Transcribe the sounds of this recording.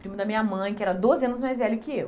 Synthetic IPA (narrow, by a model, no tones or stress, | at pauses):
pɾĩmʊd̪ɐmĩɲɐmɐ̃j̃kɪɛɾɐd̪ozɪɐ̃nʊzmajzvɛlʊkɪew